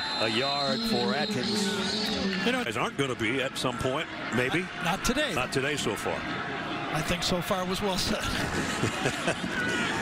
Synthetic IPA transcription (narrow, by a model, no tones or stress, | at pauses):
əjɑɹd̥fə˞æd͡ʒɨ̃nz̥ | jɨñoʊzɑɹnɡ̥ʌnɨbiɨtsʌ̃mpʰɔ̃ɪ̃nt̚ | meɪbi | nətʰɨdeɪnətʰɨɾeɪsoʊfɑ̰ɹ | aɪθɪ̃ŋksoʊfɑɹwʌzwɛlˠsɛt̚